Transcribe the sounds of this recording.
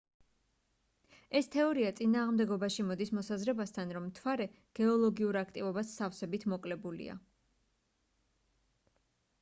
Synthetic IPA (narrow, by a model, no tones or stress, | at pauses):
ɛst̪ʰɛɔɾiat̪sʼinaːʁmd̪ɛɡɔbaʃimɔd̪ismɔsazɾɛbast̪ʰanɾɔmːt̪ʰwaɾɛ | ɡ̥ɛɔlˠɔɡiuɾakʰt̪ʼivɔbasafsɛbit̪ʰmɔkʼlɛbulḭa̰